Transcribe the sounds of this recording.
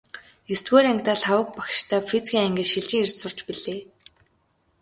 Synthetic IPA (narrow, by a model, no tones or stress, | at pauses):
jist̪ɡoːɾæŋk̚ʲt̪aːɮawə̆k̚pakʃt̪ʰaːfit͡sɡʲiːŋæŋɡʲĕʃiɮt͡ɕɪ̆ŋer̥ʲsʊr̥t͡ɕpiɮeː